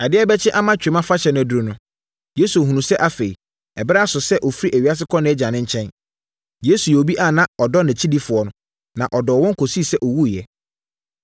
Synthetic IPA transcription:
a˨dɪ˦ɛ˦bɛ˦t͡ɕʰɪ˦ʔa˦mã˦t͡ɕᶣe˨˦mã˦fa˦ɕɛ˨nʊ̃˨æ˨du˨ɾo˨nʊ̃˦ | je˦su˨ɔ˨ɦũ˨nũ˨sɛ˦ʔa˨fe˨i˨ | ɛ˨bɛ˦a˦˨sʊ˨sɛ˦ʔɔ˨fi˦ɾi˦ʔæ˨ɥa˦s̬ɪ˦kʰɔ̃˦nɪ̃˦ɛ˦d͡ʑã˨nɪ̃˦ɲ̩˦t͡ɕʰɛ̃˦n | je˦su˨jɛ˨o˨bi˦ʔa˦˨nã˦ɔ˨dɔ˦nɛ̃˨t͡ɕʰi˦di˦fʊ˨ɔ˨nʊ̃˦ | nã˨ʔɔ˨dɔː˨wɔ̃˦ŋ̩˦kʰo˨si˦˨sɛ˦ʔɔ˨wu˦˨jɛ˨

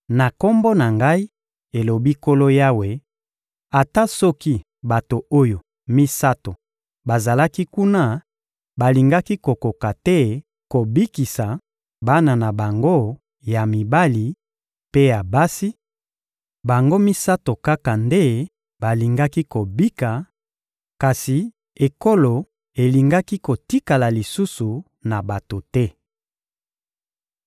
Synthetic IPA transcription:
na˨ko˦mbo˦na˨ŋɡa˦i˦ | e˨lo˨bi˦ko˦lo˦ja˦we˨ | a˨ta˦sɔ˦ki˦ | ba˨to˨o˦jo˨ | mi˦sa˦to˨ | ba˨za˨la˦ki˦ku˦na˦ | ba˨li˨ŋɡa˦ki˦ko˨ko˨ka˨tɛ˦ | ko˨bi˦ki˨sa˨ | ba˦na˨na˨ba˨ŋɡo˦ | ja˨mi˨ba˦li˨ | pe˦ja˨ba˦si˦ | ba˨ŋɡo˦mi˦sa˦to˨ka˦ka˨nde˦ | ba˨li˨ŋɡa˦ki˦ko˨bi˦ka˨ | ka˨si˨ | e˨ko˦lo˨ | e˨li˨ŋɡa˦ki˦ko˨ti˦ka˨la˨li˨su˦su˨ | na˨ba˨to˨tɛ˦

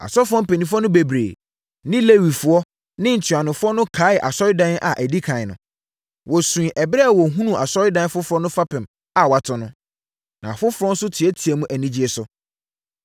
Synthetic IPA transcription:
a̰˨sɔ˦fʊ˦ɔ̃˦pe˨nĩ˨f̬ʊ˦ɔ˦nʊ̃˦be˨bɾḛː˨ | nɪ̃˦le˦wi˨fʊ˦ɔ˦ | nɪ̃˦n̩˨tʰɥa˨nʊ̃˨fʊ˦ɔ˦nʊ̃˦kʰa˨˦ɪ˨ʔa̰˨sɔ˦ɾɪ˦dã˦n˦ʔa̰˨ʔæ˨di˦kʰã˨ɪ˨nʊ̃˨ | wɔ˨sũ˨i˨ʔɛ˨bɪ˦ɾɛ˦a˨wɔ˨ɦũ˦nũ˨a˨sɔ˦ɾɪ˦dã˦n˦fʊ˦fʊ˦ɔ˦nʊ̃˦fa˦pɪ̃˨m | a˨wa˨tʰʊ˨nʊ̃˦ | nã˨fʊ˦fʊ˦ɾɔ̃˦n̩˦sʊ˦tʰi˨ɛ˦tʰi˨ɛ˨mũ˦ʔæ˨nĩ˦d͡ʑi˦e˨sʊ˦

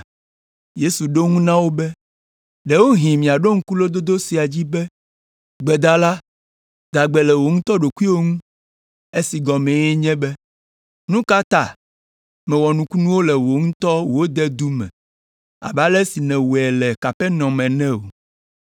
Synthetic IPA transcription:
je˦su˨ɖo˦ŋũ˦nã˦wo˦bɛ˦ | ɖɛ˨˦wo˦ɦĩ˨mĩ˨a˨ɖo˦ŋ̩̃˦ku˦lo˦d̪o˦d̪o˦si˨a˨d͡ʑi˦bɛ˦ | ɡ͡bɛ˨d̪a˦la˦ | d̪a˨ɡ͡bɛ˨lɛ˨wo˨ŋũ˦t̪ɔ˦ɖo˨ku˦i˦wo˦ŋũ˦ | e˦si˨ɡɔ˨mɛ̃˨jɛ˦ɲɛ̃˦bɛ˦ | nũ˦ka˦t̪a˨ | mɛ̃˨wɔ˨nũ˨ku˦nũ˦wo˦lɛ˨wo˨ŋũ˦t̪ɔ˦wo˨wo˦d̪ɛ˦d̪u˦mɛ̰̃˨ | a̰˨ba˦lɛ˦si˨nɛ̃˨wu˨ɛ˨lɛ˨ka˨ɸɛ˦nɔ̃˨mɛ̃˨nɛ̃˦o̰˨

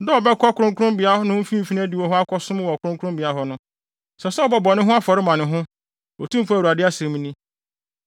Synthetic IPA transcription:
dɔ˦ɔ˨bɛ˦kʰɔ˦kʰʊ˨ɾʊ̃˦ŋ˦kʰʊ̃˦mbɪ˨a˦hɔ˦nʊ̃˦fĩ˦˨fi˦ñ˦æ˦di˨wɔ˨˦ɦʊ˦a˦kʰɔ˦sʊ̃˦m˦wɔ˨kʰʊ˨˦ʊ̃˦kʰʊ˦ʊ̃˦mbɪ˨a˦ɦɔ˦nʊ̃˦ | sɛ˨sɛ˦ɔ˦˨bɔ˨bɔ˨nɪ̃˦ɦʊ̃˦a˦fɔ˨ɾɪ˦mã˨nɪ̃˨ɦʊ̃˦ | ɔ˨tũ˦m˦fæ˨wu˨a˨dɪ˦a˦sɛ̃˨m̃˦nĩ˦

